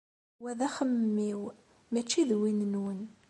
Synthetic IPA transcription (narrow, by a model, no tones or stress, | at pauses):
wæðæχəmːiw | mæt͡ʃːiðwinənwən